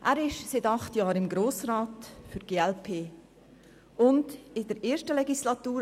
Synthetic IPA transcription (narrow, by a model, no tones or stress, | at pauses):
ʔæːɾɪʃsɪtɑχtjɑːɾɪmɡɾoːsraːtfyɾɡ̥eːɛlpʰeː | ʊndɪdəɾeːɾʃtəlɛɡislɑt̪uːɾ